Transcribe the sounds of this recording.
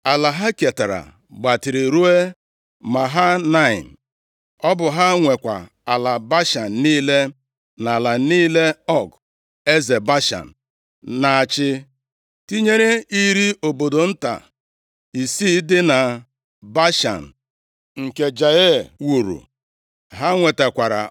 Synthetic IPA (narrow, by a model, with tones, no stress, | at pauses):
a˨la˨ɦa˦ke˨ta˨ɾa̰˨ | ɡ͡ba˨tɪ˨ɾɪ˨ɾu˦e˦ | ma˨ɦa˦na˦˨ɪ̰˨m̩˨ | ɔ˦bʊ˨ɦa˦ŋʷe˨kʷa̰˨ | a˨la˨ba˦ʃa˨n̩˨˦niː˦le˦ | na˨la˨˦niː˦le˦ɔ˦ɡ | e˦ze˨ba˦ʃa̰˨n̩˨ | na˨a˨t͡ʃɪ˦ | ti˦ɲe˦ɾe˦i˦ɾi˦ʔo˨bo˨do˨n̩˦ta̰˨ | i˨siː˦dɪ˦na˨ | ba˦ʃa̰˨n̩˨ | ŋ̩˨ke˨d͡ʒa˨ɣe˦˨wu˨ɾṵ˨ | ɦa˦ŋʷe˨ta˨kʷa˨ɾa̰˨